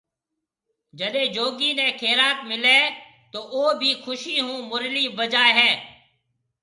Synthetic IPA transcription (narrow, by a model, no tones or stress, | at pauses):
d͡ʒəɗẽːd͡ʒoːɡiːnɛ̃ːkʰeːɾaːt̪mɪleː | t̪oːoːbʱiːkʰʊʃiːɦũːmʊɾliːbəd͡ʒaːeɦɛ̃ː